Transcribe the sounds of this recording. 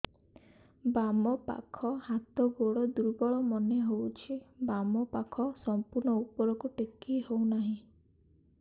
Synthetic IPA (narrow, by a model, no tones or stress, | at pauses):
bamɔpa̰kʰɔhat̪ɔɡoɽɔd̪uɾbɔɭɔmɔneɦowt͡ʃʰibamɔpakʰɔsɔmpuɾɳɔupɔɾɔkuʈekiɦownaɦĩ